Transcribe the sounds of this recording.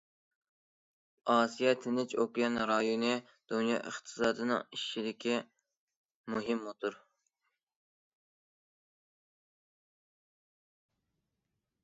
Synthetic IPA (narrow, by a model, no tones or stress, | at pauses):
ɑːsijɛt̪ʰɪnɪt͡ʃʰokjɑnɾɑjonɨ | d̪̥unjɑ̰ːʔə̰χt̪ʰɨ̥sɑːd̪ɨnɨ̰ŋiʃːid̪ɪkʲʰi | muɦɪmːot̪ʰuɾ